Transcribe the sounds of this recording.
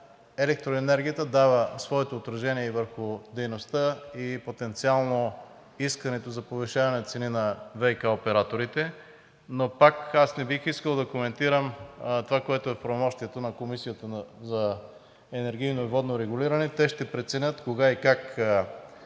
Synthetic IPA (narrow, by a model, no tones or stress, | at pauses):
ɛlɛk̚t̪ɾoɛnɛɾɡʲijət̪əd̪avəsvɔɛt̪oːt̪ɾɐʒɛniɛivəɾxʊd̪ɛjnost̪əipot̪ɛnt̪sialˠno | iskɐnɛt̪ozɐpovɛʃavɐnɛnɐt̪sɛninɐvɛjkaopɛɾat̪oɾit̪ɛ | nopakasnɛbixiskəlˠd̪ɐkomɛnt̪iɾəmt̪ovakoɛt̪oɛfpɾɐvomɔʃt̪iɛt̪onɐkomisijət̪əzɐ | ɛnɛɾɡ̟ʲijnoivɔd̪noɾɛɡʊliɾɐnɛt̪ɛʃt̪ɛpɾɛt̪sɛnʲət̪koɡaikak